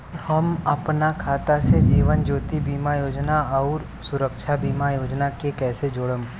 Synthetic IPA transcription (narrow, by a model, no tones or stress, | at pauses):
hɐmɐpnakʰaːt̪ased͡ʒiːʋənd͡ʒoːt̪ibiːmajoːd͡ʒnaɔːɾ | sʊɾəkʃʰabiːmajoːd͡ʒnakekɛːsed͡ʒoːɽəm